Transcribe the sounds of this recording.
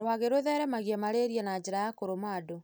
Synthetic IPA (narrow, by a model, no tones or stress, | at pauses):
waɣeɾoðɛɾɛmaɣjɛmaɾeɾiɛnad͡ʑeɾajakoɾomado